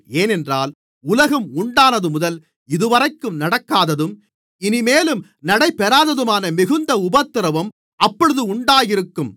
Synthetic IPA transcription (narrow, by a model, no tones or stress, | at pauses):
eːnɛndra̰ːl | ʊlɐɣɐmʊɳɖaːnɐðɯmʊðɐl | ɪðɯʋɐɾɐɪkːɯmnɐɽɐkːaːðɐðɯm | ɪnɪmeːlɯm | nɐɽɐɪpːɛɾaːðɐðɯmaːnɐmɪɣɯnd̪ɐʊbɐt̪ːɪɾɐʋɐm | ɐpːɔɻɯðɯʊɳɖaːjɪɾɯkːɯm